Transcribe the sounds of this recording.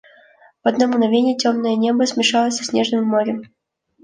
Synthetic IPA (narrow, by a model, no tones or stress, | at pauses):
vɐd̪nomɡnɐvʲenʲɪjətʲomnəjənʲe̞bəsʲmʲɪʂɑlˠəsʲsʲnʲe̞ʐnɨmːoɾʲɪ